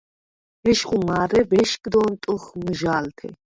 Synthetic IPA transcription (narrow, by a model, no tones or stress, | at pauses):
bɛʃχʼumaːɾɛbɛʃkʼd̪ɔnt̪ʼuχmuʒaːlt̪ʰɛ̰